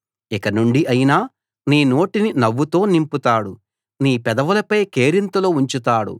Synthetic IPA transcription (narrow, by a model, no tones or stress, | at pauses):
ikɐnuɳɖiʔɐjinaː | niːno̞ːʈininɐʋːut̪o̞ːnimput̪aːɽu | niːpɛd̪ɐʋulɐpɐjke̞ːɾint̪ɐlo̞ːuɲt͡ʃut̪aːɽṵ